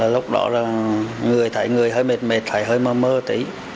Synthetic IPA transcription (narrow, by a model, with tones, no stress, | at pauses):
aː˨˩lʊ˦˥k͡p̚ɗɔ̰˧˦zaː˨˩ŋɨ˨˩əjt̪ʰaː˧˩jŋɨ˨˩əjɦəː˧jme˨˩t̚me˨˩t̚t̪ʰa̰ː˧˩jɦəː˧jməː˧məː˧t̪ḭ˧˨˦